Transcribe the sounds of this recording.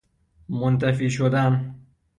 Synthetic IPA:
mont̪ʰæfiːʃod̪æn

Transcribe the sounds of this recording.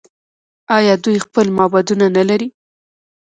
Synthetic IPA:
ɑjɑd̪ujxpəlmɑbɑd̪unanalaɾi

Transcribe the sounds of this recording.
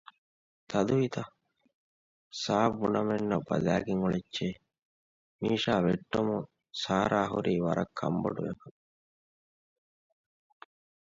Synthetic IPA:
t̪ʰɐd̪uʋit̪ɐ | saːbunɐmenːɐbɐlæːɡiŋuɭet͡ʃːt͡ʃeː | miːʃaːʋeʈːomu | saːɾaːɦuɾiːʋɐɾɐkʰːɐ̰mbo̰ɖuʋekɐ

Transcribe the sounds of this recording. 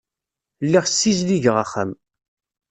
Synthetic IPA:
lːiʁsːizliʝəʁəχə̰m

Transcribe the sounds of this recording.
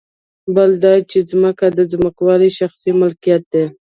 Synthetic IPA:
bəld̪ɑt͡ʃezməkad̪əzməkwɑɾiʃaxsimʊlkijat̪̚d̪e

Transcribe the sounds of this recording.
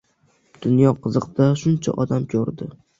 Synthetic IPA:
d̪̥ʊnjɒqʰɨzɨqd̪aʃʊnt͡ʃʰa̰ʔɒd̪amkʲʰoɾd̪ɪ

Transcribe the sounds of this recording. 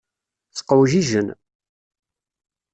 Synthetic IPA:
θə̥qːəwʒiʒən

